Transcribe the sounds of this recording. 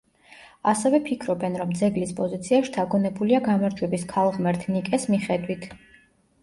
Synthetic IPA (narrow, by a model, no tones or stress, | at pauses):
asɛvɛpʰikʰɾɔbɛnɾɔmd̪zɛɡlispʼɔzit̪sʰiaʃi̥td̪ʰaɡɔnɛbuliaɡamaɾd͡ʒwɛbiskʰalˠʁmɛɾt̪ʰnikʼɛsmiχɛd̪wit̪ʰ